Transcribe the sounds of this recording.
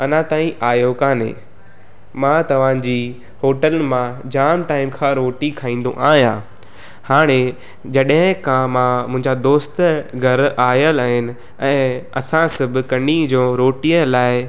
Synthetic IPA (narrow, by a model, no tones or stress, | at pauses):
ɐn̤ãt̪aːĩʔaːjokaːnḛ | mãt̪ɐʋ̤ãd͡ʑiː | hoːʈəlmãd͡ʑaːmʈaːɪmkʰãɾoːʈikʰaːĩːnd̪õ̰ʔaːɦjã | haːɽ̃e | d͡ʑɐɗɦɪ̃kʰãmãmʊ̃ɦɪ̃ɲd͡ʑad̪oːst̪ɡʱɐɾaːjəlaːɦɪnɪ̆ | ɛ̃ːɐsãsɐbʱɪ̆kɐnid͡ʑõːɾoːʈiəlaːɪ